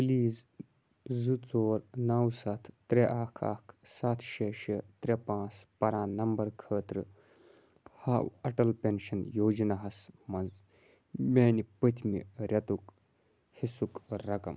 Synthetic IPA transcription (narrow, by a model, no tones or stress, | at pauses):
pliːz | zut͡soːɾnɐwsɐt̪ʰːɾeʔaːkʰa̰ːkʰsat̪ʰʃeʃet̪ɾʲepãːt͡spɐɾãːnɐmbɐɾkʰəːt̪ɾɨ | haːwɐʈɐlpʲenʃɐnjoːd͡ʒnɐɦɐsmɐnz | mʲeːnipət̪ʰmḭɾʲɐt̪uk | hisukɾɐkɐ̰m